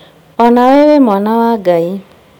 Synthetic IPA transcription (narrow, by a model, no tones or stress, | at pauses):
ɔnawewemɔnawaɡai